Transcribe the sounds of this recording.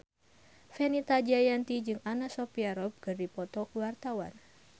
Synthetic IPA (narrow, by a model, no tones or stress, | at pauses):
fɛnit̪ad͡ʒajant̪id͡ʒɨŋanasɔpiaɾɔp̚kɨrdipɔt̪ɔkuwart̪awa̰n